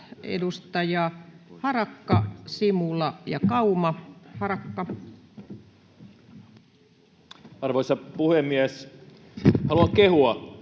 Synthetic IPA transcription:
ʔḛdust̪ɑjɑhɑrɑkːɑsimulɑjɑkɑumɑhɑrɑkːɑ | ɑrʋoisɑpuhemːiæs | hɑluɑŋkehuɑ

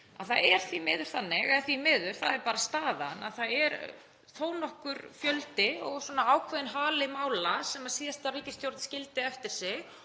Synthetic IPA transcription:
a̰ðθaðɛɾ̥θvimɪːðʏɾ̥θanːɪɣɛθvimɪːðʏɾ̥θaðɛɾpaːɾast̪aːðana̰ðθaðɛɾ | θoːwnɔhkʏɾfjœlt̪ɪɔɣswɔːnaaːwkʰvɛðɪnɦaːlɪmaːwlasɛmaðsiːðast̪ariːcɪst̪ʰjowɾt̪scɪlt̪ɪɛft̪ɪɾ̥sɪɣ

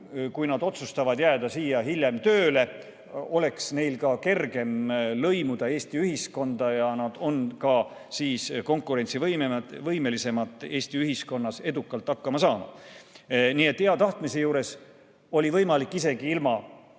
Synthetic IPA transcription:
kujnɑd̪̥o̞t̪sust̪ɑvɑd̪̥jæːd̪̥ɑsiːjɑɦilʲjemt̪ø̞ːle̞ | o̞le̞ksne̞jlkɑke̞rɡe̞mlɤ̞jmud̪̥ɑe̞ːst̪iyɦisko̞nd̪ɑjɑnɑd̪̥o̞nkɑ | siːsko̞ŋkːˑuɾe̞nʲt̪sivɤjmevɤjme̞lise̞mɑt̪ːˑe̞ːst̪iyɦisko̞nːɑse̞d̪ukːˑɑlt̪ːɑkːɑmɑsɑːmɑ̰ | niːe̞t̪ːheɑt̪ɑht̪mise̞juːɾe̞s | o̞lʲivɤjmɑlikˑːise̞ɡ̥iilmɑ

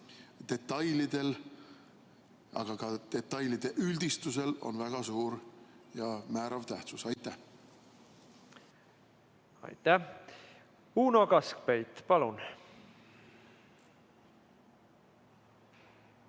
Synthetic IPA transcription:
t̪e̞t̪ːˑɑjlid̪̥e̞l | ɑ̰ɡ̥ɑkɑt̪e̞t̪ːˑɑjlid̪̥e̞ʔyld̪̥ist̪use̞lo̞̰nvæɡ̥ɑsuːɾjɑmæːɾɑvt̪æht̪susɑjt̪ːˑæh | ɑ̰jt̪æ | uːnokɑsk̚pejt̪pɑlun

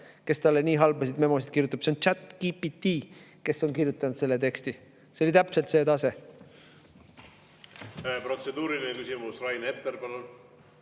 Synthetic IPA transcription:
ke̞st̪ɑlːeniːɦɑlbɑsid̪me̞mo̞sid̪̥̚kirjut̪ːˑub̥seont͡ʃæt̪ːkipit̪ːiːke̞sːo̞nkirjut̪ːˑɑnud̪se̞lːet̪e̞kst̪i | seo̞lit̪æpse̞lt̪se̞ːt̪ɑse̞ | pro̞t̪se̞d̪̥uːɾilinekysimusrɑjnet̪ːeɾpɑlun

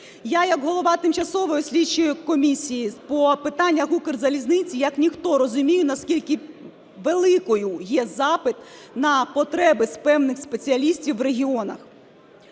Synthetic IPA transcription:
jajɐɡɦɔlˠɔʋɑt̪ɪmt͡ʃɐsɔʋɔɔsʲlʲit͡ʃːʊjʊkɔmʲisʲijipɔpɪt̪ɑnʲːɐɦukɪrzɐlʲiznɪt͡sʲijɐknʲixt̪ɔɾɔzʊmʲijʊnɐskʲilʲkɪ | ʋelˠɪkɔjʊjɛzɑpɪt̪ | nɐpɔt̪ɾɛbɪspɛwnɪxspet͡sʲiɐlʲisʲtʲiwːreɦʲiɔnɐ̰x

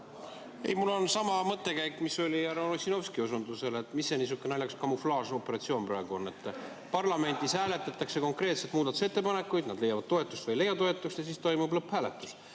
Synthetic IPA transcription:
ḛjmulːo̞nsɑmɑmɤt̪ːˑe̞kæjkːˑmiso̞lʲiæɾonosʲino̞fskiusund̪use̞lt̪ːˑmisːenis̬ukːˑenɑlʲjɑkskɑmuflɑːso̞pːe̞ɾɑt̪sio̞ːnprɑːɡ̥uonːe̞t̪ːˑ | pɑrlɑme̞nʲd̪̥ishæːle̞t̪ːˑɑt̪ːˑɑkse̞ko̞ŋkre̞ːt̪se̞t̪muːd̪ɑt̪ːu̥set̪ːe̞pɑne̞kːˑujd̪̥nɑd̪le̞jɑvɑd̪̥t̪o̞e̞t̪ːˑust̪vɤjle̞jːɑt̪o̞e̞t̪ːˑuksjɑsiːst̪ojmublɤphæːle̞t̪ːˑus

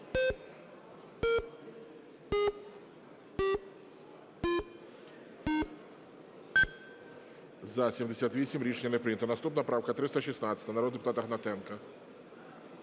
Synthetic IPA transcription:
zɐsʲimd̪ɛsʲat̪ʋʲisʲimʲɾʲit͡ʂɲʲɐnɐpɾɪnʲɐt̪ɐnast̪upnɐpɾawkɐt̪ɾɪst̪ɐʃisnat̪sʲɐ̥t̪ɐnaɾɔd̪d̪ɨpʊt̪at̪ɐɣnat̪ɛnkɐ

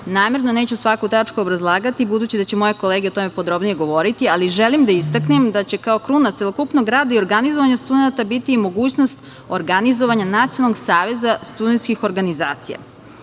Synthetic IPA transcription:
naːme̞ɾnoneːt͡ɕusʋakut̪at͡ʂkuobɾazlˠaːɡat̪ibud̪ut͡ɕid̪at͡ɕemo̞je̞ko̞leːɡeo̞t̪o̞me̞po̞d̪ɾo̞bnije̞ɡo̞ʋo̞ɾit̪ialiʒelimd̪aist̪aknemd̪at͡ɕe̞kao̞kɾunat̪selˠokupnoɡɾaːd̪aio̞ɾɡanizoʋaɲast̪ud̪enat̪abit̪iːmo̞ɡuːt͡ɕno̞st̪ | oɾɡanizoʋaɲanat̪ionalnoɡsaːʋe̞zast̪ud̪et̪skixo̞ɾɡaniza̰ːt̪sija̰

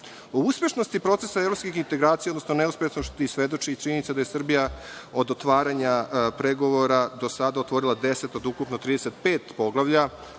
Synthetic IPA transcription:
ouspʲe̞ʃnost̪ipɾo̞t̪se̞saeɾo̞pskʲixint̪e̞ɡɾaːt̪sijeod̪nosnoneuspeʃnoʃt̪isʋed̪o̞t͡ʂit͡ʃinit̪sed̪ajesr̩bijao̞d̪ot̪ʋaːɾaɲapɾeɡo̞ʋoɾad̪o̞sad̪aot̪ʋo̞ɾilad̪e̞set̪o̞d̪ukupnot̪ɾiːd̪eset̪̚peːt̪po̞ɡlˠaʋʎa

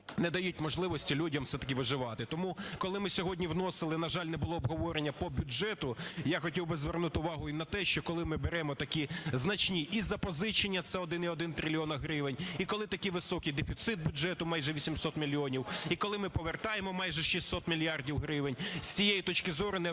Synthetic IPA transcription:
nɛd̪ɐjut̚ʲmɔʒlˠɪʋɔsʲtʲilʲudʲɐmfsɛt̪ɐ̥k̬ʲɪʋɪʒɪʋɑt̪ɪt̪ɔmukɔlˠɪmɪsʲɔɦɔdʲnʲiwnɔsɪlˠɪnɐʒɑlʲnɛbʊlˠɔːbɦɔʋɔɾenʲːɐpɔbʲʊd͡ʒɛt̪ʊjaxɔtʲiwbɪzʋɛrnut̪ɪʊʋɑɦʊinɐt̪ɛʃt͡ʃɔkɔlˠɪmɪbeɾɛmɔt̪ɐkʲiznɐt͡ʃnʲiʔizːɐpɔzɪt͡ʃenʲːɐt̪sɛɔd̪ɪniɔd̪ɪnt̪ɾʲɪlʲiɔnɐɦɾɪʋenʲikɔlˠɪt̪ɐkiʋɪsɔkijd̪efʲit̪sɪt̪̚bʲʊdʒɛt̪ʊmɑjʒɛʋʲisʲimsɔt̪mʲilʲiɔnʲiwikɔlˠɪmɪpɔʋert̪ɑjemɔmɑjʒɛʃisʲɔt̪mʲilʲijɑrdʲiwɦɾɪʋenʲsʲt͡sʲijejit̪ɔt͡ʃkɪzɔɾʊnɛ

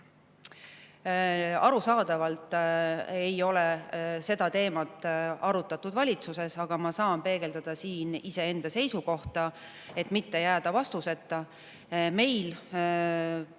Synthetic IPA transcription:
ɑɾusɑːd̪̥ɑvɑlt̪ˑ | e̞jo̞le̞se̞d̪̥ɑt̪e̞ːmɑt̪ːˑɑɾut̪ːˑɑt̪ːud̪vɑlʲit̪suse̞sɑɡ̥ɑmɑsɑːnpe̞ːɡ̥e̞ld̪̥ɑd̪̥ɑsiːnise̞e̞nd̪̥ɑse̞jsuko̞ht̪ɑ | e̞t̪mit̪ːe̞jæːd̪̥ɑvɑst̪use̞t̪ˑːɑ | me̞jl

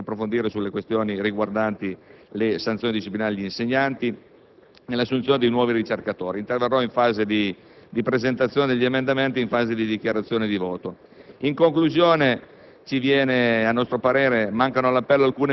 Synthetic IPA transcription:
apːɾofond̪iːɾesulːekwest̪joːniriɡward̪ant̪ilesant̪sjoːnid̪iʃiplinaːlʎiinseɲːant̪i | nelːasːunt̪joned̪ejnwɔːviɾit͡ʃerkat̪oːɾint̪erverːɔiɱfaːzed̪i | d̪ipɾezent̪at̪sjoːned̪eʎːiemend̪ament̪iiɱfaːzed̪id̪ik̟jaɾat̪sːjoːned̪ivɔːt̪o | iŋkoŋkluzjoːne | t͡ʃivjɛːneanːɔst̪ɾopaɾeːɾemaŋkanolapːɛlːoalkuːne

